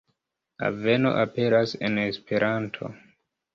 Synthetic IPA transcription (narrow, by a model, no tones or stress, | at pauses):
a̰ve̞no̰ʔape̞ɾase̞ne̞spe̞ɾʔantʰo̞̰